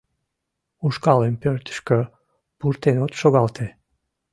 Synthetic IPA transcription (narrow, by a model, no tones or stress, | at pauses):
uʃkɑlˠemʲpʲøɾt̪ʰy̥ʃkø | puɾt̪enot̪ʃoɣɑlˠt̪ʰɨ